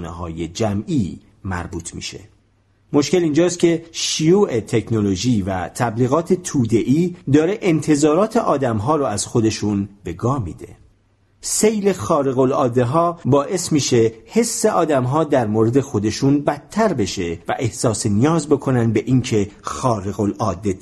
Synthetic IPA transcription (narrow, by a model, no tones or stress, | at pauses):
nḛɦɒ̰ːje̞d͡ʒæmʔiː | mæ̰ɾbuːt̪ʰmḭːʃe̞̰ | mo̞ʃke̞lind͡ʒɒːst̪̚cʰe̞ʃijuːʔe̞t̪ʰe̞kʰno̞loʒiːvæ̰t̪ʰæbliːɣɒːt̪ʰe̞t̪ʰuːd̪e̞ʔiːd̪ɒːɾe̞ʔent̪ʰe̞zɒːɾɒːt̪ʰeʔɒːd̪æmɦɒːɾoæz̥xo̞d̪e̞ʃunbe̞ɡɒːmḭːd̪̥e̞̰ | se̞jle̞xɒːɾeɣo̞lɒːd̪e̞ɦɒːbɒːʔe̞smiːʃe̞he̞sːe̞ʔɒːd̪æmɦɒːd̪æɾmoɾe̞d̪e̞xo̞d̪e̞ʃunbæt̪ʰːæɾbe̞ʃe̞væ̰ʔe̞hsɒːsenijɒːzbe̞kʰo̞nænd̪̚be̞ʔiːŋcʰe̞xɒːɾeɣo̞lʔɒːd̪ːe